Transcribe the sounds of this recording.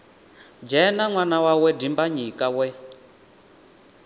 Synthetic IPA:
d͡ʒɛnaŋwanawawɛdimbaɲikawɛ

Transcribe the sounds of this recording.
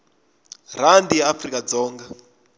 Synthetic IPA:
r̤andijaafrikad͡zɔːŋɡa

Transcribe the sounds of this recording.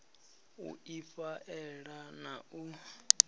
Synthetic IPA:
ṵifaʔɛɺanau

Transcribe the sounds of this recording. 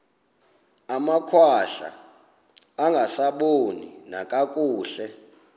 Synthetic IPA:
amakʰwaɬa̰ː | ŋɡʱasaɓonḭnakʼakʼuːɬɛ

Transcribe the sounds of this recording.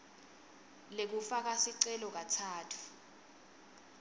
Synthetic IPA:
lek̬ufak̬asiǀɛlɔk̬atʰaːtʰu̥

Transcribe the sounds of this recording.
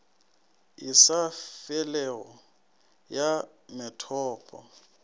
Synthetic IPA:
ɪsafɛlɛɣɔ | ja | mɛtʰɔːpʼɔ̰

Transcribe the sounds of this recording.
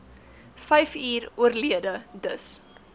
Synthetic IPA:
fɛjfiːruərliədədəs

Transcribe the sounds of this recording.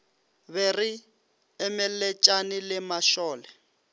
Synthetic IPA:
βɛri | ɛmɪlɛt͡ʃʼanɪlɪmaʃɔːlɛ

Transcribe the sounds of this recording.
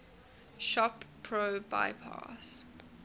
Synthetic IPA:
ʃɔpʰɹoba̰ɪpʰa̰s

